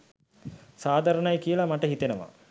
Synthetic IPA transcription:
saːd̪ʱaɾənajkijəlamaʈəɦit̪enəʋa̰

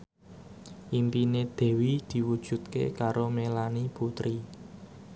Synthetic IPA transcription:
ʔimpined̪̥ɛ̤wid̪̥i̤wud̥ʒ̥ṳt̪̚kḛkaɾomelaniput̪ɾi

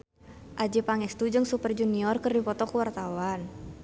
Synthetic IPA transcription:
ʔad͡ʒɛpaŋɛst̪ud͡ʒɨŋsupərd͡ʒuniɔrkərdipɔt̪ɔkuwart̪awan

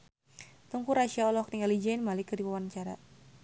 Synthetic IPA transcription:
t̪uŋkuɾaʃiaɔlɔhkniŋɡalid͡ʒainmalikərdiwawant͡ʃaɾa̰

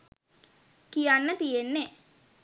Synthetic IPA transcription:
kijanːət̪ijenːe

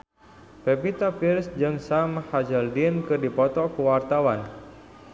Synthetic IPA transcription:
pepit̪apirsd͡ʒɨŋsamhad͡ʒəldinkɨrdipɔt̪ɔkəwart̪awan

